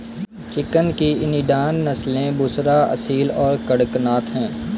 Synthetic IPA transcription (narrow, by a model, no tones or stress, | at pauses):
t͡ʃɪkənkiɪniɖaːnːɐslẽbʊsɾaɐ̰siːlɔːɾkəɽəknaːt̪ɦɛ̃ː